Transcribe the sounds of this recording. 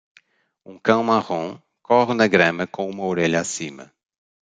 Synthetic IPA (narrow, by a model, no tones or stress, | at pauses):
ũkɐ̃w̃maʁõ | kɔʁɪnɐɡɾɐ̃mɐkõũmɐoɾeʎɐasĩmɐ̰